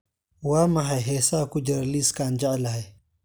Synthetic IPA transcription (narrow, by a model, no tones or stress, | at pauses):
waːmaɦajɦesaːkud͡ʒɐɾliskaːnd͡ʒalaɦaj